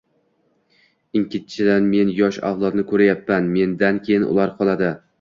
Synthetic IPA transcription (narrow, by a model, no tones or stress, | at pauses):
ɪŋkʰʲɪt̪̚t͡ʃʰɪd̪anme̞njɒʃa̰vlˠɒt̪nɪkʰɵɾajapːanme̞nd̪ankʲʰejɪnʔʊ̰lˠaɾqʰɒlˠad̪ɪ